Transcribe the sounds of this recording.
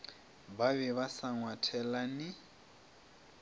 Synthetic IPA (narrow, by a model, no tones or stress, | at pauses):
baβɛβasaŋwatʰɛlanɪ